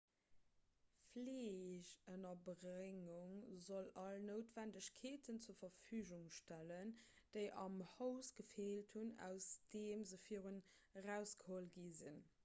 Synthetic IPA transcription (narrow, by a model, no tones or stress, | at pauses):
fleːɕənɐbʁeŋuŋzolɑlnoʊtv̥ændəɕkʰeːtʰənt͡suːɐfɐfyːʑuŋʃtælənd̥əɪʔɑmhəʊsɡ̥əfeːltʰhunæ̰ʊsd̥eːmzəfiːəʁənʁæʊsɡ̥əholɡizin